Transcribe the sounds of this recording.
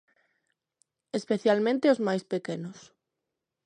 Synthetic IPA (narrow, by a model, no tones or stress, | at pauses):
espeθjalmẽnt̪eozmajspekenʊs